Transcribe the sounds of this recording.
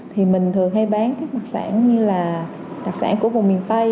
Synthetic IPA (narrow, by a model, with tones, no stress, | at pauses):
t̪ʰi˨˩mï˨˩ŋ̟t̪ʰɨ˨˩əŋha˧jɓaː˨˦nkaː˦˥k̚ma˨˩k̚sa̰ː˧˩nɲɨ˧laː˨˩ | ɗa˨˩k̚sa̰ː˧˩nku˧˩əvʊ̰˨˩ŋ͡mmi˨˩ənt̪ə˧j